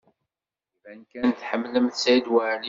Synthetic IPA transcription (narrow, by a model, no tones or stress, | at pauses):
vænkænθħəmːləmθsæjd̪wæʕli